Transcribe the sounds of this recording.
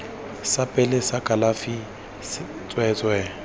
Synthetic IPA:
sapʼɛlɪsakʼalafi | sɪ | t͡sʼwɛːt͡sʼwɛ

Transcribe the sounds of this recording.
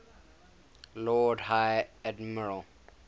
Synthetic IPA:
lɔdhajɛdməɹəl

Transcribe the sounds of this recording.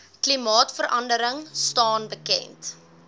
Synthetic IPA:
klimɑːtfəɾʔɐ̰ndəɾəŋstɑːnbəkɛ̰nt

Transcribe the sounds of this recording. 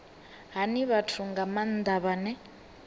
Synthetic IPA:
ɦaniβatʰuŋɡaman̩d̪aβanɛ

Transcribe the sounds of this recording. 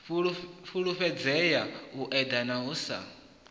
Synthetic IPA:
fuɺuɸɛd͡zɛjauʔɛd̪anaɦuːsa̰

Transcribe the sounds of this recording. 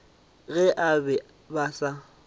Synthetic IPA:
ɣɛʔabɛ | basa

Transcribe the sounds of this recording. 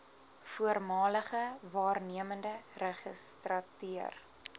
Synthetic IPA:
fuərmɑːləχəvɑːrniəməndərɛχəstrɐtyər

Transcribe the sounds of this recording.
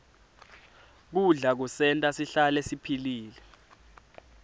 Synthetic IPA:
k̬uɮak̬usɛntʼasiɬalɛsipʰiliːlɛ

